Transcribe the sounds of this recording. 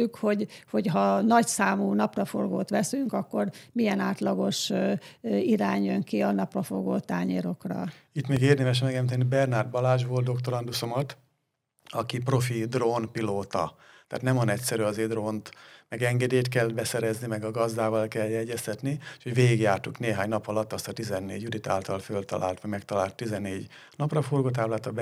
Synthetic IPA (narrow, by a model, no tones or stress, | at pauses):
ykho̞ɟho̞cɦɒnɒcsaːmuːnɒprɒfo̰rɡoːt̪ʋɛsyŋkɒkːo̞rmijɛnaːt̪lɒɡo̞ʃ | iɾaːɲjøŋkiɒnɒprɒfo̰rɡoːt̪aːɲḛɾo̞krɒ̰it̪meːɡeːrd̪ɛmɛʃ̬mɛɡɛmt̪ɛnibɛrnard̪̚bɒlaːʒboːld̪d̪o̞kt̪oɾɒnd̪usomot̪ | ɒkipro̞fid̪ronpiloːt̪ɒ̰t̪a̰ːt̪nɛmɒnɛcsɛɾyːɒzeːd̪roːnt̪mɛɡɛŋɡɛd̪eːjt̪kɛlːbɛsɛɾɛznimɛɡɒɡɒzd̪aːvɒlkɛljɛɟːɛst̪ɛt̪nieʃhoɟveːɡiɡjaːrt̪ukneːɦaːɲnɒpɒlɒt̪ːɒst̪ɒt̪izɛnːeːɟyd̪it̪a̰ːlt̪ɒlfølt̪ɒ̰la̰ːlt̪ʋɒmɛkt̪ɒlaːlt̪ːizɛnːeːɟ | nɒprɒforɡoːt̪̬aːblaːt̪ɒb